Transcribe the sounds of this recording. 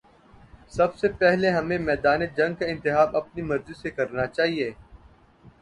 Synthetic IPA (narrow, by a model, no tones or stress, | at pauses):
sɐbsepɛɦleɦɐmẽmɛːd̪aːned͡ʒɐ̃ŋɡ̚kaɪ̃nt̪ɪxaːbɐp̚nimɐɾzisekɐɾnat͡ʃaːɦieː